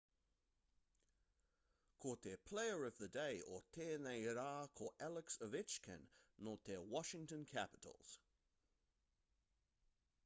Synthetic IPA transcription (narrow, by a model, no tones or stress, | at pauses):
kʰɔˑt̪̚ðəpʰl̥eɪə˞ʌvðədeɪətʰɛneɪɾɑkʰɔɛlˠəksəvɪt͡ʃkʰə̰̃nːɔˑt̪̚ðəwɑʃɪ̃ŋtə̃nkʰæpəɾ̰l̩ˠz̥